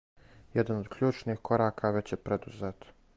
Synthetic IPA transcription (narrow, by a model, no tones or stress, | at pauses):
jed̪anod̪kʎʲuːt͡ʃnixko̞ɾaːkʰaʋe̞t͡ɕjepɾed̪uzet̪